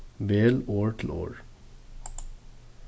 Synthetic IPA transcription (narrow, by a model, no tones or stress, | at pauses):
ʋeːloːɹʈʰl̩ʔo̰ːɹ